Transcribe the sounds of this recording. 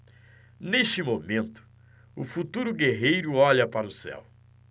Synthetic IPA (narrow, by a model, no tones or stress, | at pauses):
neʃt͡ʃɪmomẽnt̪ʊ̥ | ʊfut̪uɾʊɡeɦejɾʊɔʎɐpaɾʊsɛ̰w